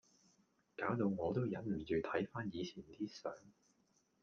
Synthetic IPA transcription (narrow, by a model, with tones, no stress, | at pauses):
kaː˨˥wt̪o˧wŋɔː˨˧t̪o˥wjɐ˨˥nm̩˨˩jiː˨˧wt̪ʰɐ˨˥jfaː˥njiː˨˧t͡sʰiː˨˩nt̪iː˥sœː˨˥ŋ